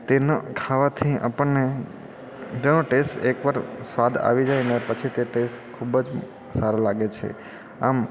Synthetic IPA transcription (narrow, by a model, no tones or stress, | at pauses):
t̪enkʰaʋat̪ʰiʔa̰pəɳne | t̪enoʈesʈekʋaɾsʋad̪ʱa̰ʋid͡ʒajnepət͡ʃʰit̪eʈesʈkʰubd͡ʒ | saɾulaɡet͡ʃʰḛ | a̰m